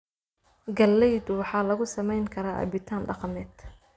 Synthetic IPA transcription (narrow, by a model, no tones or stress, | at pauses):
ɡɐlːɛjd̪wɑħɑːlɐɣʊsɐmɛjŋkʰɐɾaːʔɐ̰bɪt̪ʰaːnɖɑqɑnɛːd̪